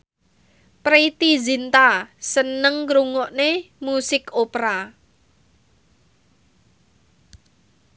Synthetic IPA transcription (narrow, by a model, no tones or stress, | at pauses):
pɾeit̪izint̪asənəŋkɾuŋɔʔnemusɪkopɾa